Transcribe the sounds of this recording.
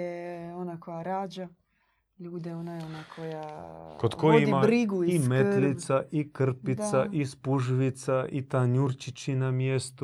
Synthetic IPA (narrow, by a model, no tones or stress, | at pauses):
eonakojaɾaːd͡ʒa | ʎuːd̪eonajo̞nakʰo̞jakod̪kojoidimabɾiɡuiimet̪lit̪saʔikr̩pit̪saʔispuʒʋit̪saʔit̪aɲuɾt͡ʃit͡ɕinamjest̪u